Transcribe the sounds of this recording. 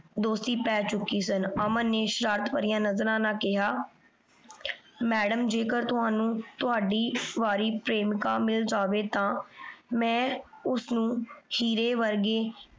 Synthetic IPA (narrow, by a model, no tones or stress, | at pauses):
d̪oːst̪iːpɛːt͡ʃʊkːiːs̬ənəmənneːʃɾaːɾt̪ʋaːɾijãːnəzɾãːnãːkɪɦaː | mɛːɖəmd͡ʒeːkəɾt̪ʊɦaːnũːt̪ʊɦaːɖiːʋaːɾiːpɾeːmkãːmɪld͡ʒaːʋeːt̪ãːmɛ̃ːʊsnũːhiːɾeːʋəɾɡeː